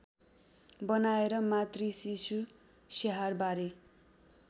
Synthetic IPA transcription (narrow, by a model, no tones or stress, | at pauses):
bʌnaeɾʌmat̪risisu | seɦarbaɾe